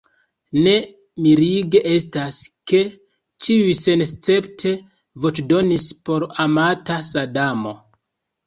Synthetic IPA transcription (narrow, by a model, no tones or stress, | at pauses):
ne̞ | miɾiɡe̞ʔe̞staske̞ | t͡ʃiujse̞nst͡se̞ptʰe̞ | vo̞t͡ʃdo̞nispo̞ɾamatasadamo̞